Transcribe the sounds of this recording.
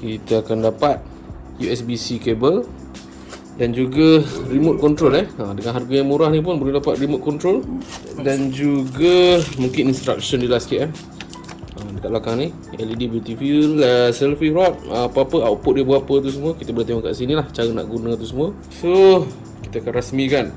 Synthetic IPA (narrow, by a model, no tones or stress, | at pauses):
kit̪əakandapat̪̚ | juɛsbisikebəl | dand͡ʒuɡərimot̪̚kɔnt̪ɾolɛhədəŋanɦarɡajaŋmuɾahnip̬ʊnbolɛhdapat̪̚rimʊt̪̚kɔnt̪ɾoldand͡ʒuɡəmũŋkininst̪ɾa̰k̚ʃɔndilaskeʔɛm | ədəkat̪̚blakaŋni | ɛlidibut̪ifiləsɛlfiɾat̪̚ːpaapəawpʊʔ̚diəbəɣapət̪̬us̬əmuəkit̪əbəlat̪eŋɔŋka̰ʔsinilaht͡ʃaɾəna̰ʔɡunət̪usəmũə | so | kit̪aakanɾasmĩkan